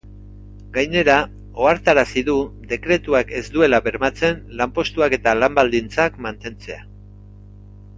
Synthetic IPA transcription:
ɡajne̞ɾa | o̞aɾt̪aɾasiðuðe̞kɾe̞t̪uake̞zd̪ue̞laβe̞ɾmat͡se̞nlampo̞st̪uake̞t̪alambald̪int͡sakmant̪e̞nt͡se̞a

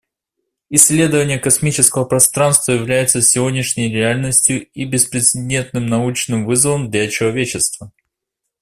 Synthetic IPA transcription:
ɪsʲːlʲe̞d̪əvənʲɪjəkɐsmʲit͡ɕɪskəvəpɾɐst̪ɾanst̪vəjɪvlʲæjɪt̪səsʲɪvo̞dʲnʲɪʂnʲəjɾʲɪalʲnəsʲtʲjʊibʲɪspɾʲɪt̪sɨdʲent̪nɨmnɐut͡ɕnɨmvɨzəvəmd̪lʲɐt͡ɕɪlˠɐvʲet͡ɕɪst̪və

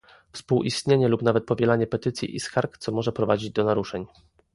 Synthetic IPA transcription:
fspuwʔist̪ɲeɲɛlupnavɛt̪̚pɔvʲjɛlaɲɛpɛt̪ɘt̪sʲjḭʔḭskaɾkt̪sɔmɔʐɛpɾɔvad͡ʑid͡ʑd̪ɔnaɾuʂɛɲ

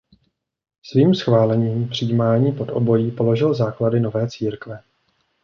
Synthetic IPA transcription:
sviːmsxvaːlɛɲiːmpr̝̥ijimaːɲiːpo̞d̪ʔo̞̰bo̞jiːpo̞lo̞ʒɪlzaːkladɪno̞vɛːt͡siːɾkvɛ

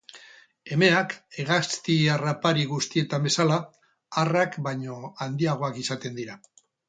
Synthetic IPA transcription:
e̞me̞ake̞ɣast̪iarapaɾiɣ̞ust̪ie̞t̪ambesala | arakbaɲo̞and̪iaɣ̞o̞akisat̪e̞nd̪iɾa

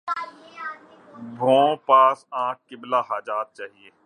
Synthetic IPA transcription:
bʱõːpaːsãːk̚kɪblaːɦaːd͡ʒaːt̪̚t͡ʃaːɦieː

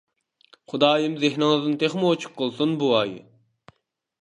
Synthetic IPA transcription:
χʊd̪ɑːjimzɪhnɪŋɨzd̪ɨnt̪ʰeχmɨot͡ʃʰu̥q̚qːəlˠsunbuɑːjɨ̰

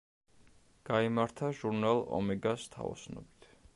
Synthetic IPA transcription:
ɡ̥aimaɾt̪ʰaʒuɾnalˠɔ̰mɛɡast̪ʰa̰ɔ̰snɔ̰bi̥t̪ʰ

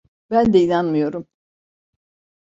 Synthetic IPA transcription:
bænd̪ɛinanmɯjo̞ɾum

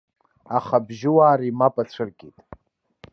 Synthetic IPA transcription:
aχabʒɪwaːɾiːmapʼat͡ɕʷʰɨrɡʲitʼ

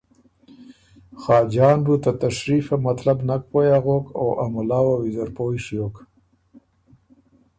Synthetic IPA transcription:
xɑːd͡ʒɑːnbut̪at̪aʃɾifamat̪labnak̚pojaɣoka̰wʔa̰mʊlɑːwawizaɾpoːjʂjok

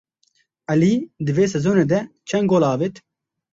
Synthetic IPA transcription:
ʔɛliːd̪ɨveːs̬ɛzoːneːd̪ɛt͡ʃʰɛnɡoːlɑːvet̪

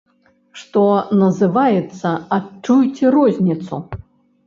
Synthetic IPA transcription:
ʂt̪ɔnɐzɨvajɛt̪sːɐat͡ʂːujt͡sʲɛɾɔzʲnʲit̪sṵ

